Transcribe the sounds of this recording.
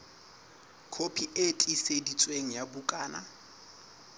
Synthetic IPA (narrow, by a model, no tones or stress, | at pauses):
kʰopʰiʔetʼisedit͡sʼweŋ̩jabukʼaːna̰